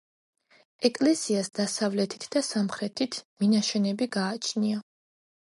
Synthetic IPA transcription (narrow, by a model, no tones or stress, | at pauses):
ɛkʼlɛsiasd̪̥asavlɛt̪ʰi̥t̪ʰd̪asamχɾɛt̪ʰit̪ʰminaʃɛnɛbiɡaːt͡ʃʰnia